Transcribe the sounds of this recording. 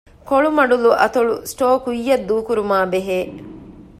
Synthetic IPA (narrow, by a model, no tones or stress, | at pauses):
koɭumɐɖuluʔɐt̪oɭusʈoːkujːɐd̪ːuːkuɾumaːbeɦeː